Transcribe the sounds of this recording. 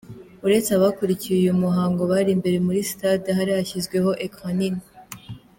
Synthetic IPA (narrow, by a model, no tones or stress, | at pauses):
uɾe̞t͡saβakuɾicijujumuɦaːŋɡo̞βaːɾimbe̞ɾe̞muɾisi̥tadɦaɾihaçizɡwe̞ho̞ʔekanini